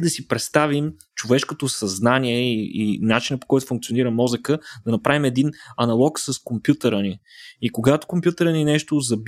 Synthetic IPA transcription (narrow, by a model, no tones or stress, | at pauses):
d̪ɐsipɾɛt̪st̪avim | t͡ʃovɛʃkot̪osɐznaniɛiinat͡ʃinəpo̥kɔjt̪ʊ̥fũŋk̚tsioniɾəmɔzəkəd̪ɐnɐpɾavimɛd̪inɐnɐlˠɔksəskompjut̪əɾəniikoɡat̪o̥kompjut̪əɾəninɛʃt̪ozɐb